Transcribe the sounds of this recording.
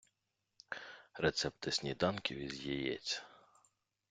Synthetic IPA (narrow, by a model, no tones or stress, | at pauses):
ɾɛt̪sɛp̚t̪ɪsʲnʲid̪ɑnkʲiʋʲizʲjɛjɛ̰t͡sʲɐ̥